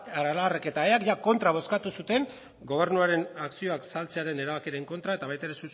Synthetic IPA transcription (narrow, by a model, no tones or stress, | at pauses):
aɾalareke̞t̪aeakʝako̞nt̪ɾaβ̞o̞skat̪usut̪e̞ŋ | ɡo̞β̞e̞ɾnuaɾe̞naksio̞aksalt͡se̞aɾe̞ne̞ɾaβakeɾe̞ŋko̞nt̪ɾae̞t̪aβajt̪aeɾe̞su